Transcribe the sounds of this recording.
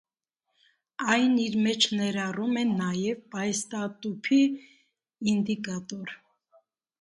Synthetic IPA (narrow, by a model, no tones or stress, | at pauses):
ɑjniɾmɛt͡ʃʰnɛɾɑrumɛnːɑjɛvpɑjɛst̪ɑt̪upʰi | ind̪ikɑt̪ɔɾ